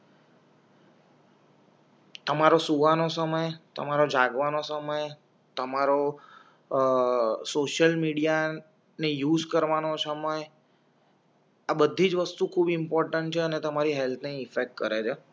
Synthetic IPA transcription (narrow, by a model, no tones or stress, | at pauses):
t̪əmaɾosuʋanosəməjt̪ə̰maɾod͡ʒaɡʋanosəməj | t̪əmaɾo | soʃəlmiɽija | nejuzkəɾʋanosəməj | abəd̪ʱːid͡ʒʋəst̪ukʰubɪmpɔɾʈəɳʈt͡ʃʰeənet̪əmaɾiɦɛlt̪ʰneɪfek̚ʈkəɾet͡ʃʰe